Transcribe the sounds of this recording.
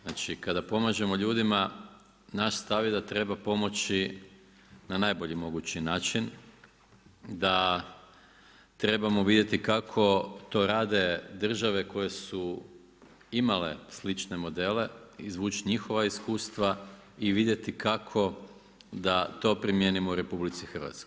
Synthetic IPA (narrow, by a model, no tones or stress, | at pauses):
naːt͡ʃikad̪apo̞maʒe̞mo̞ʎuːd̪ima | naʃst̪aʋjed̪at̪ɾe̞bapo̞mo̞t͡ʃi | nanajbo̞ʎimo̞ɡut͡ɕinaːt͡ʃin | d̪a | t̪ɾe̞bamo̞ʋid̪je̞t̪ikakʰo̞t̪o̞ɾaːd̪e̞d̪r̩ʒaʋe̞ko̞je̞su | imale̞̰slit͡ʃne̞mo̞d̪e̞le̞izʋuːt͡ʃiɲixo̞ʋaiskuːst̪ʋa | iʋid̪je̞t̪ikakʰo̞ | d̪at̪o̞pɾimje̞nimouɾe̞publit̪sixər̩ʋa̰t̪skoj